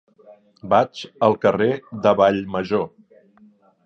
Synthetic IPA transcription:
bat͡ʃəlˠkəreðəβaʎməʒo

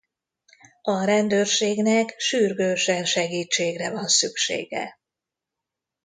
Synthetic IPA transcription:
ɒɾɛnd̪øːrʃeːɡnɛkʃyrɡøːʃɛnʃɛɡiːt͡ʃːeːɡrɛvɒnsykʃḛːɡɛ̰

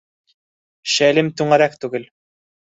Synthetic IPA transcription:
ʃælɘmt̪ʉɴæɾækt̪ʉɡɘl

